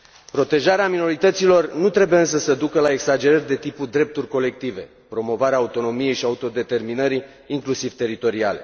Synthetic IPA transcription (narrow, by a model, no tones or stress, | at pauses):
pɾo̞t̪e̞ʒaɾeamino̞ɾit̪ət̪silo̞rnut̪ɾe̞bujeɨns̬əsəd̪ukəlae̞ksad͡ʒe̞ɾərʲd̪e̞t̪ipud̪ɾe̞p̚t̪urʲko̞le̞k̚t̪ive̞̰ | pɾo̞mo̞vaɾeaːut̪o̞no̞mije̞jʃiaut̪o̞d̪e̞t̪e̞rminəɾiː | ŋklusiv̥t̪e̞ɾit̪o̞ɾiale̞̰